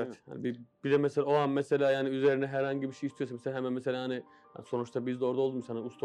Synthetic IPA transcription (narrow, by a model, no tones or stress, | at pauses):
ɛt̪ha̰nbibiɾɛmɛselʲaoanmeselʲaːjaːniyzeɾinɛɦæɾhaɲɟibiʃejist̪ʰijosameselʲaɦemænmeselʲaːhanɪ | ja̰nso̞nut͡ʃt̪ʰabizd̪ɛo̞ɾd̪aod̪umsananust̪ʰ